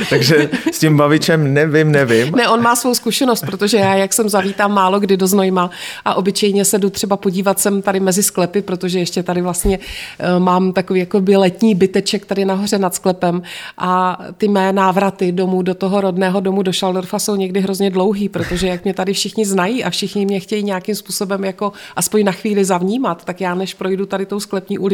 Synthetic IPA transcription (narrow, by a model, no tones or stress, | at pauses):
t̪aɡʒɛscɪmbavɪt͡ʃɛmnɛvɪmnɛvɪmnɛʔo̞nmaːsvo̞wskuʃɛno̞st̪̚pɾot̪o̞ʒɛjaːjaksɛmzaviːt̪aːmːaːlo̞ɡdɪdo̞znojmaʔaʔo̞bɪt͡ʃɛjɲɛsɛdut̪r̝̥ɛbapo̞ɟiːvat̪sɛmt̪adɪmɛzɪsklɛpɪpɾot̪o̞ʒɛjɛʃcɛt̪adɪvlast̪ɲɛmaːmt̪akoviːjakobɪlɛt̪ɲiːbɪt̪ɛt͡ʃɛkt̪adɪnaɦo̞r̝ɛnat̪sklɛpɛmʔat̪ɪmɛːnaːvɾat̪ɪdo̞mudo̞t̪oɦo̞ɾo̞dnɛːɦo̞do̞mudo̞ʃaldoɾfaso̞wɲɛɡdɪɦɾo̞zɲɛdlo̞wɦiːpɾo̞t̪o̞ʒɛjakmɲɛt̪adɪfʃɪxɲɪznajiʔafʃɪxɲɪmɲɛxcɛjiːɲɛjakɪmspuːso̞bɛmjako̞ʔaspo̞ɲnaxviːlɪzavɲiːmat̪ːakjaːnɛʃpɾo̞jdut̪adɪt̪o̞wsklɛpɲiːʔulɪ